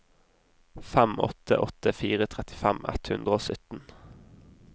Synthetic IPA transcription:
fæmɔ̰t̪ʰə̰ʔɔt̪əfiːʁət̪ʰʁɛt̪ɪ̥fæmɛ̰t̪hʉnd̪ʁəoːsœt̪n̩

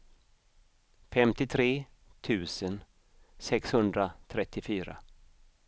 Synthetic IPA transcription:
fɛmt̪ɪt̪ʰɾeː | t̪ʰʉ̟ːsən | sɛkshɵnd̪ɾat̪ʰɾɛt̪ːɪfyːɾa̰

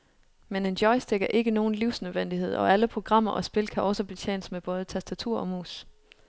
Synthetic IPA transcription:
mene̝nd̥jɒ̽ɪsd̥eɡ̥ɐʔe̝ɡ̥əno̝ːn̩liʊ̰snøðˠʋen̰d̥ihe̝ð̞̰ˠɒ̽æləpʰʁo̝ɡ̥ʁɑ̈m̰ɐʔɒ̽sb̥e̝lkʰæʔɒ̽səb̥e̝t͡sʰjḛːnəsmeb̥ɔ̽ːð̞ˠət͡sʰæsd̥æt͡sʰuɐ̰ʔɒ̽mṵːs

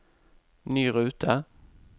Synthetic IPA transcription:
nyːɾʉ̟ːt̪ʰa

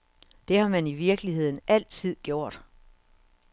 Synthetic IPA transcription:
d̥e̝hɑ̈mæniʋiɐɡ̥əliɦe̝ð̞̰ˠn̩æl̰t͡sʰið̰ˠɡ̥jo̝ɐ̰d̥

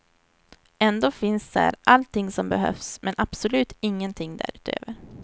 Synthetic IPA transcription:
ɛnd̪oːfɪnsd̪æ̰ːɾʔalt̪ʰɪŋːsɔmbɛɦœ̰fsmɛnʔab̥sɔlʉ̟ːt̪ɪŋːənt̪ʰɪŋːd̪æ̰ɾʉ̟ːt̪ø̰ːvəɾ

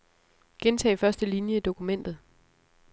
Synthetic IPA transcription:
ɡ̥ent͡sʰɛ̰ːfɶɐsd̥əlinjəid̥o̝kʰumen̰d̥ð̞̩ˠ

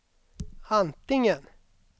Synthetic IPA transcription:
ant̪ɪŋən

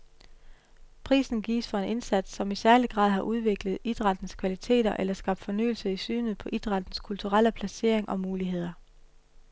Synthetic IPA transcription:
pʰʁḭːsn̩ɡ̥ḭːsfɒ̽e̝ne̝nsæd̥sɒ̽misæɐliɡ̥ʁɑ̈ðˠɦɑ̈ʔuð̞ˠʋe̝ɡ̥ləð̞̩ˠid̥ʁɑ̈d̥n̩skʰʋælit͡sʰe̝̰ːɾɐʔelɐsɡ̥ɑ̈b̥̚d̥fɒ̽ny̰ːl̩səisy̰ːnð̩ˠpʰɒ̽ʔid̥ʁɑ̈d̥n̩skʰult͡sʰuʁal̰əpʰlæse̝ɐ̰e̝ŋʔɒ̽muːliɦe̝ð̞̰ˠɐ

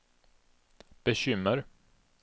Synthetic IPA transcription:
b̥ɛɕʏmːəɾ

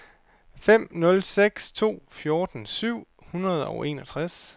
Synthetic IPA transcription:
fem̰nɔ̽lseɡ̥st͡sʰo̝̰ːfjo̝ːd̥n̩syʊ̰ | hunɐð̞ˠɒʊe̝̰ːnɒ̽t͡sʰʁas

